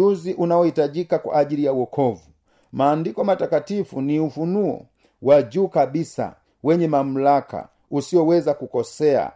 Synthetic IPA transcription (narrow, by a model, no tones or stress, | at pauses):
uziʔunaɔhitaʄikakwa̰ːʄilijawɔkʰɔvu | maːndikɔmatakatifuniufunuɔ̰ | waɟuːkabisa̰ | wɛɲɛmam̩laka̰ | usiɔwɛzakukɔsɛa̰